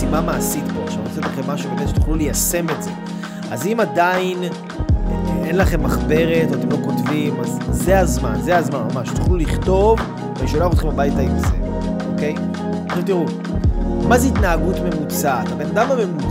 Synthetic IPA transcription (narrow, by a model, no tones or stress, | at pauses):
imamaːsitboʃaʁot͡set̪laχemːaʃubeleʃe̥t̪uχlulejase̞metze̞ | a̰zimadain | enlaχe̞mːaχbe̞ʁe̞t̪atemlo̞ko̞tvimazːeazmanzeazmanmamaʃt̪u̥χluliχt̪o̞v | veʃoloeaχot̪χembabajtaimze | o̞ke̞j | ʃet̪̬iʁu | mazeit̪naːɡutme̞mut͡sat̪abenadamame̞mu